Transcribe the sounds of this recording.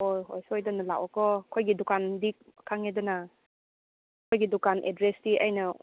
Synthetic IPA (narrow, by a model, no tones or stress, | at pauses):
oɦojsojdɔnɐla̰wakɔkʰojɡidukandikʰaŋedɔna | kʰojɡidukanʔḛdɾesdiʔa̰jnɐ